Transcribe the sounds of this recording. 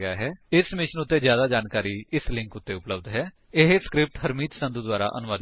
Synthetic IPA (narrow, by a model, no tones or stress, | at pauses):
ɪa̰ːɦɛːɪsmɪʃənʊt̪ːeːzjaːd̪aːd͡ʒaːnkaːɾiːɪslɪ̃ŋkʊt̪ːeːʊpləbd̪ɦɛː | ɪɦeskɾɪp̚ʈhəɾmiːd͡ʒ̪sə̃nd̪ud̪waːɾa̰ːʔənʊʋaːd̪